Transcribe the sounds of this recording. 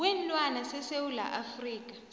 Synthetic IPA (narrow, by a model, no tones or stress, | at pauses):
wɛnlwanasɛsewula̰ʔafriːk̬ʼḁ